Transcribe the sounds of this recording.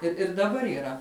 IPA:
ɪr ɪr dɐˈbɐr iːˈrɐ

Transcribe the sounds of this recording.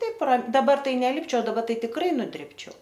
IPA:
ˈtɐɪp rɐ dɐˈbɐ ˈtɐɪ nʲɛˈlʲɪpʲt͡ʃʲɛʊ dɐˈbɐ ˈtɐɪ tʲɪkˈrɐɪ nʊˈdʲrʲɪpʲt͡ʃʲɛʊ

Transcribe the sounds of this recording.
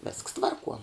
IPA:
ʋʲeːsks ˈtʋɐrˌkuɔ

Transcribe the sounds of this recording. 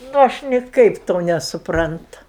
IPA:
nʊ ˈɐʃ nʲɪˈkɐɪp ˈtoː nʲɛsʊpˈrɐntʊ

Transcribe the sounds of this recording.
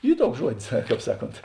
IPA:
ˈiː ˈtuɔks ˈʒuɔdʲɪs ˈkɑːp ˈsɑːˌkoːnt

